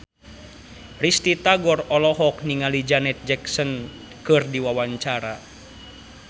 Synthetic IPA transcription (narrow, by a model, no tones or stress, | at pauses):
rist̪it̪aɡɔrɔlɔɦɔk̚niŋalid͡ʒanɛt̪̚d͡ʒɛksɔn | kɨrdiwawaɲt͡ʃaɾa